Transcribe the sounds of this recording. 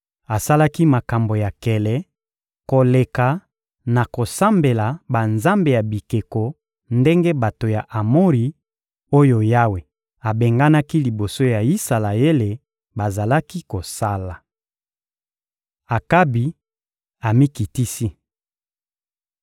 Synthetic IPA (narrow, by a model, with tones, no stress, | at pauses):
a˨sa˦la˦ki˦ma˨ka˨mbo˨ja˨kɛ˨lɛ˨˦ | ko˨le˨ka˨ | na˨ko˨sa˦mbe˨la˨ba˨nza˦mbe˨ja˨bi˨ke˨ko˨ | nde˦ŋɡe˦ba˨to˨ja˨ʔa˨mo˦ʁi˨ | o˦jo˨ja˦we˨ | a˨be˨ŋɡa˦na˦ki˦li˨bo˨so˦ja˨i˦sa˨la˨je˦le˨ | ba˨za˨la˦ki˦ko˨sa˦la˨ | a˨ka˦bi˨ | a˨mi˦ki˨ti˦si˦